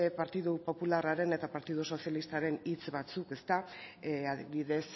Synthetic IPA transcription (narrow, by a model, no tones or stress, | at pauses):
epaɾt̪iðupo̞pularaɾe̞ne̞t̪apaɾt̪iðuso̞sialist̪aɾe̞nit͡sβat͡suke̞st̪aaðiβiðe̞s